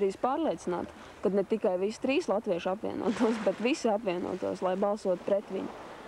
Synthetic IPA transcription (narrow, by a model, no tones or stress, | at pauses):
ɾiːspaːɾlˠiɛt̪sina̰ːt̪ | kad̪nɛt̪ikajʋist̪ɾiːslˠat̪ʋiɛʃapʋʲḭɛnṵɔt̪uɔs̬bɛt̪ʋisiapʋʲiɛnṵɔt̪ṵɔslˠajbɑlˠsuɔt̪u̥pɾɛt̪ʋḭɲʊ